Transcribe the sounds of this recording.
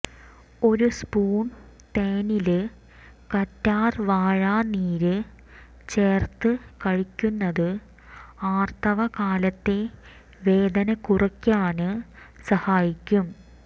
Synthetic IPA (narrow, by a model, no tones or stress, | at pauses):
o̞ɾuspuːɳ | t̪eːnilɨ | kɐtːaːrʋaːɻaːniːɾɨ | t͡ɕe̞ːrt̪ɨkɐɻikʲːunːɐðɨ | aːrt̪ɐʋɐkaːlɐt̪ːe̞ | ʋe̞ːd̪ɐnɐkurɐkʲːaːɳɨ | sɐhaːjikʲːum